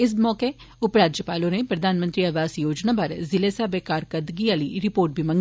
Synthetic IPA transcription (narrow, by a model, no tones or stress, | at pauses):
ɪs̬mɔːke | ʊpɾaːd͡ʒjəpaːlõnepɾɐd̪ʱaːnmə̃nt̪ɾiɐʋaːsjoːd͡ʒnapɐɾzɪleːsabekaːɾkəd̪ɡiaːliɾɪpoːɾʈ̚bʱimɐ̃ŋ